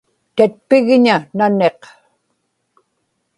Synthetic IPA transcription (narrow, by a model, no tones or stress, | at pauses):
t̪at̪̚pɪɣɲanane̞q